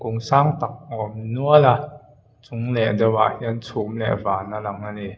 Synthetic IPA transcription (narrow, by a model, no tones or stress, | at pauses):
koŋsaːŋt̪ak̚ʔɔːmnuəla | t͡suŋlɛʔdawa̰ʔhiənsʰuːmlɛ̰vaːnalaŋani